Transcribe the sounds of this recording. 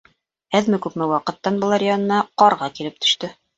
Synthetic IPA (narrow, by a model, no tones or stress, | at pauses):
æðmɘkʉpmɘwɑqɤ̆t̪ːɑnbɤ̆lˠɑɾʲɪanɤ̆nɑqɑɾʁɑkilɘp̚t̪ɵ̥̆ʃt̪ɵ